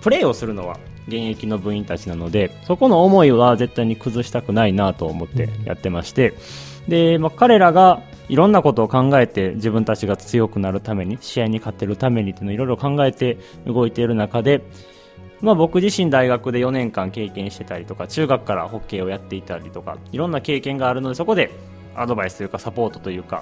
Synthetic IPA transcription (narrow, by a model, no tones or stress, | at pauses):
pɯ̟ɾe̞ːo̞sɨɾɯ̟no̞βa̰ | ɡẽ̞ɰ̃e̞kʲino̞bɯ̟̃ɰ̃ĩnt̪at͡ɕinano̞d̪e̞so̞ko̞no̞ːmo̞iβaze̞t̪ːaiɲ̟ikɯ̟zɨɕi̥t̪akɯ̟nainat̪o̞ːmo̞t̪ːe̞̰ja̰t̪ːe̞maɕi̥t̪e̞ | d̪e̞makaɾe̞ɾaɡa | iɾõ̞nːako̞t̪o̞ːkãŋɡae̞t̪e̞ʑibɯ̟nt̪at͡ɕiɡat͡sɨjo̞kɯ̟naɾɯ̟t̪ame̞ɲ̟iɕiaiɲ̟ikat̪ːe̞ɾɯ̟t̪ame̞ɲ̟it̪onoiɾo̞iɾo̞kãŋɡae̞t̪e̞ | ɯɡo̞it̪e̞ɾɯ̟nakad̪e̞ | mabo̞kɯ̟ʑiɕĩnd̪aiɡakɯ̟d̪e̞jo̞nẽ̞ŋkãŋke̞ːkẽ̞ɰ̃ɕi̥t̪e̞t̪aɾʲit̪o̞kat͡ɕɨːɡakɯ̥kːaɾa̰ho̞kːe̞ːo̞jat̪ːe̞it̪aɾʲit̪o̞ka̰iɾõ̞nːake̞ːkẽ̞ŋɡaːɾɯ̟no̞d̪e̞soko̞d̪e | ad̪o̞baisɨ̥t̪o̞jɯːkasapo̞ːt̪o̞t̪o̞jɯ̟ːka̰